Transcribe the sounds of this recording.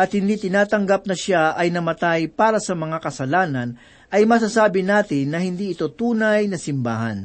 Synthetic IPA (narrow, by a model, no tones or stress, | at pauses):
ʔɐt̪̚hɪnd̪iːt̪ɪnaːt̪ɐŋɡap̚nɐʃaɐjnɐmɐt̪ajpaːɾɐsɐmɐŋakɐsɐlaːnɐn | ʔɐjmɐs̬asaːbɪnaːt̪ɪnːɐhɪnd̪iːʔɪt̪o̞t̪uːnɐjnɐsɪmbaːɦɐ̰n